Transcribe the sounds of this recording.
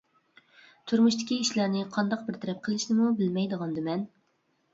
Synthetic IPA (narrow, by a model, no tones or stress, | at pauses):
t̪ʰuɾmuʃt̪ʰɪ̥kʲiiʃlæɾnɪqʰɑnd̪ɑq̚bɪɾt̪ʰɛɾɛp̚qʰəlˠɪʃnɪmubɪlmɛjd̪əʁɑnd̪ɨmɛn